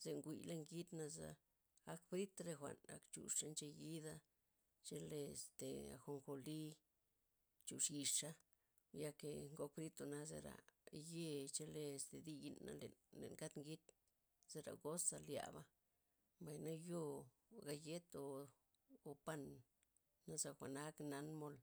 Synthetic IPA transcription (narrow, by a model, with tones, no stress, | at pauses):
z̥e˨ŋɡʷḭ˨le˦˧ŋɡi˦t̪na˧za̰˧ | a˦kbɾi˦t̪ɾe˧xʷa̰˨na̰˨kt͡ʃṵ˨ʂa˦nt͡ʃe˧ji˦d̪a˧ | t͡ʃe˧le˧˨st̪e˨a̰˨xo˧ŋxo˧li˦ | t͡ʃu˨ʂji˧ʂʂa˦ | ja˧ke˨ŋɡo˧k̚bɾi˦t̪o˧na˦zḛ˧ɾa̰˨je˦˧t͡ʃe˧le˧˨st̪e˨d̪i˧ji˧nːa̰˧lḛ˨nlḛ˨nka˦t̪ŋɡi˦t̪ | z̥e˧ɾa̰˨ɡo˦sa˧lja̰˨ba˦ | mba˨jna˦jo˦˧ | ɡa˧je˦t̪oː˧ | pa˧nː | a˦za˧xʷa˨na˦kna˧nmo˧l